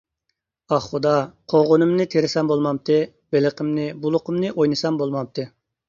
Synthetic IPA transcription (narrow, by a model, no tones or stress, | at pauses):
ɑχχud̪ɑqʰoʁʊnɨmnɨt̪ʰeɾɪsɑmbolˠmɑp̚t̪ʰɨ | b̥eləqʰəmnɪbulˠʊqʰəmnɨʔojnɨsɑmbolˠmɑmp̚t̪ʰɨ